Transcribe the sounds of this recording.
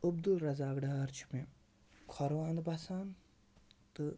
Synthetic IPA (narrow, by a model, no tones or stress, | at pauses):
ub̚d̪ulɾɐzaːɡɖaɾt͡ʃʰu̥mi | kʰɔɾʋãːnd̪basaːn | t̪ɨ